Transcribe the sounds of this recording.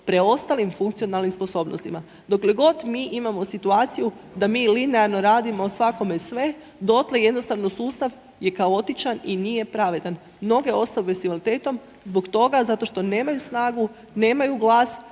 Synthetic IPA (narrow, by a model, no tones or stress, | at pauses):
pɾeo̞st̪alimfuŋkt̪ijo̞nalnimspo̞so̞ːbnost̪ima | d̪o̞kleɡo̞t̪miːʔimamo̞sit̪uaːt̪sijud̪amiːlineaɾno̞ɾaːd̪imoːsʋako̞me̞sʋe̞ | d̪o̞t̪leje̞d̪no̞st̪aʋnosuːst̪aʋ | je̞kaoo̞t̪it͡ʃaninije̞pɾaʋe̞d̪an | mno̞ɡe̞o̞st̪aupest̪iʋalit̪e̞ːt̪o̞m | zbokt̪o̞ɡazat̪o̞ʃt̪o̞ne̞ːmajusnaːɡu | ne̞ːmajuɡlˠaːs